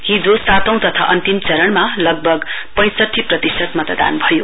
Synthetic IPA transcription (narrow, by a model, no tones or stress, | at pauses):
ɦid͡zosat̪ʌ̃w̃t̪ʌt̪ʰa̰ʔʌnt̪imt͡sʌɾʌɳmalʌɡ̚bʱʌɡ | pʌ̃j̃sʌʈʰːiprʌt̪isʌt̪mʌt̪ʌd̪a̰nbʱʌjo